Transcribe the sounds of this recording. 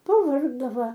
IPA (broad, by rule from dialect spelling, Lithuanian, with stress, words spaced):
pɐˈʋɐrɡdɐʋɐ